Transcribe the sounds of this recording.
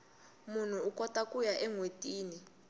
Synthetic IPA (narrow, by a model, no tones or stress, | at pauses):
mun̤uːkʼɔtʼakʼujaʔɛŋwetʼiːni